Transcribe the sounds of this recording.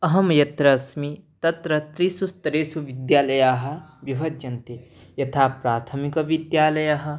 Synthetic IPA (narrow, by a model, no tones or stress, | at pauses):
ɐɦɐmjɐt̪ɾɐsmit̪ɐt̪ɾɐt̪ɾisust̪ɐɾeːsuʋɪd̪jaːlɐjaːɦɐ̆ʋjiʋʱɐd̪̚d͡ʒɐnt̪ejɐt̪ʰaːpɾaːt̪ʰɐmikɐʋɪd̪jaːlɐjaɦɐ̆